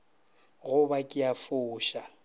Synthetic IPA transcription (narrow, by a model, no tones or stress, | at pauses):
ɣʊbakʼɪjafʊːʃa